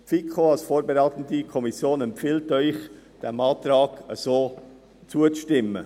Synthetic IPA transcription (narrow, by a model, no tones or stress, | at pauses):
fikχoɑlsfoːɾbeɾaːt̪ən̩dikʰɔmisjoːnɛmpfiːltœʏχ | d̥ɛmɑːt̪ɾɑːɡəsoː | t͡suət͡sʃtɪmːə̰